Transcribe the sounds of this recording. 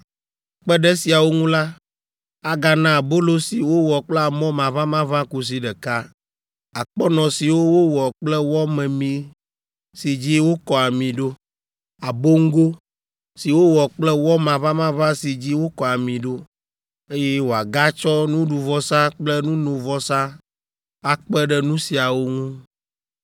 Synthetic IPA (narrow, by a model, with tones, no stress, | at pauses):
k͡pɛ˦ɖɛ˦si˨a˨wo˦ŋũ˦la˦ | a˨ɡa˨nã˦˨bo˦lo˦si˨wo˦wɔ˨k͡plɛ˦a˨mɔ̃˦mã˨vã˦mã˦vã˦ku˦s̬i˨ɖɛ˨ka˦ | a˨k͡pɔ˦nɔ̃˨si˨wo˦wo˦wɔ˨k͡plɛ˦wɔ˦mɛ̃˨mĩ˨ | si˨d͡ʑi˦wo˦kɔ˨a˨mĩ˨ɖo˦ | a˨bo˦ŋ̩˦ɡo˦ | si˨wo˦wɔ˨k͡plɛ˦wɔ˦mã˨vã˦mã˦vã˦si˨d͡ʑi˦wo˦kɔ˨a˨mĩ˨ɖo˦ | e˦jɛ˦wo˨a˨ɡa˦t͡ʃɔ˦nũ˦ɖu˨vɔ˦sa˦k͡plɛ˦nũ˦nõ˨vɔ˦sa˦ | a˨k͡pɛ˦ɖɛ˦nũ˦si˨a˨wo˦ŋũ˦